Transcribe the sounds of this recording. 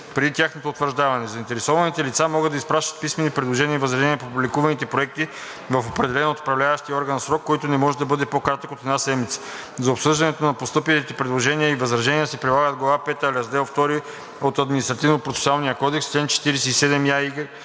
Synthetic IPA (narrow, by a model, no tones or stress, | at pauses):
pɾɛd̪it̪ʲaxnot̪oːt̪vəɾʒd̪avɐnɛzɐint̪ɛɾɛsɔvɐnit̪ɛlit̪samɔɡɤd̪ɐispɾaʃt̪ɐ̥t̪̚pismɛnipɾɛd̪lˠoʒɛniəivɐzɾɐʒɛniəpopublʲikuvɐnit̪ɛpɾoɛk̚t̪i | vɐfopɾɛd̪ɛlɛnoːt̪o̥pɾɐvlʲavɐʃt̪iəɔɾɡənsɾɔkːɔjt̪onɛmɔʒɛd̪ɐbɤd̪ɛpokɾat̪əkot̪ɛd̪nasɛd̪mit̪sə̥ | zɐopsɤʒd̪ɐnɛt̪onɐpost̪ɤpit̪it̪ɛpɾɛd̪lˠoʒɛniəivɐzɾɐʒɛniəsɛpɾilˠaɡəd̪ɡlˠvapɛt̪əlʲɐzd̪ɛlˠft̪ɔɾi | ot̪ɐd̪minist̪ɾɐt̪ivnopɾot̪sɛ̥sualˠnijəkɔd̪ɛkst͡ʃlɛnt͡ʃɛ̥t̪iɾɛsɛisɛd̪ɛmjaiɡ